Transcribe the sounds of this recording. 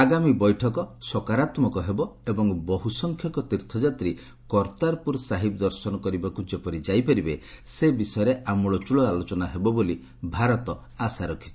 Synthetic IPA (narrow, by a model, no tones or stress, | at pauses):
aɡamibɔjʈʰɔkɔsɔkaɾat̪mɔkɔɦebɔebɔŋbɔɦusɔŋkʰjɔkɔt̪iɾt̪ʰɔd͡ʒat̪ɾi | kɔɾt̪aɾpuɾsaɦibɔd̪ɔɾsɔnɔkɔɾibakud͡ʒepɔɾid͡ʒajpaɾibe | sebisɔjɔɾeʔamuɭɔt͡ʃuɭɔalot͡ʃɔnaɦebɔboli | bʱaɾɔt̪ɔ | asaɾɔkʰi̥t͡ʃʰi